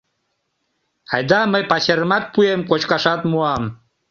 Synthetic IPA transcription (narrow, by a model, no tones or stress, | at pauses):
ɑ̰jd̪ɑməjpɑɕeɾmɑt̪̚puemkot͡ɕkɑʃɑt̪muɑm